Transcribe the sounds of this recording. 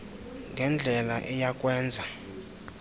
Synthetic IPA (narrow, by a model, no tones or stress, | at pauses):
ŋɡʱɛnd͡ɮʱɛlaʔɛjakʼwɛːnd͡zʱa